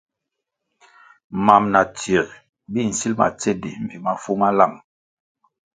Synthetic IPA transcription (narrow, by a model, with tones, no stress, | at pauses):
ma˨mna˨ti˨ɾ | bi˦˨n̩˨si˦lma̰˨t͡se˦di˨m̩˨vi˨ma˨fu˦ma˦la˦˨m